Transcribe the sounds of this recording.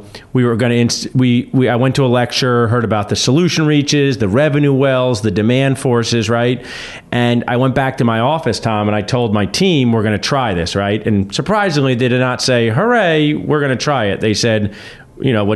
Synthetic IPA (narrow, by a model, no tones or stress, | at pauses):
wiwə˞ɡʌñɨɪ̃nswiwiaɪwɛ̃ntʰəəlɛk̚t͡ʃə˞ɦɜ˞ɾɨbaʊt̪̚ðɨsəlʉʃɨ̃n̩ɹit͡ʃɪzðɨɹɛvɨ̃nuwɛlˠzðɨdɨmæ̃nd̥fɔɹsɪzɹaɪt̚ | ʔɨ̃na̰ɪwɛ̃nb̥æk̚tʰɨmaɪɔfɨstʰɑ̃mə̃ñaɪtʰoʊlˠd̚maɪtʰĩmwɪɹɡʌñɨtʰɹ̥aɪðɪsɹaɪtɨ̃nsə˞pʰɹ̥aɪzɪ̃ŋliðeɪdɨdⁿnətseɪɦə˞eɪwɪɹɡʌñɨtʰɹ̥aɪɪt̪̚ðeɪsɛd̚ | jɨ̰ñoʊwʌ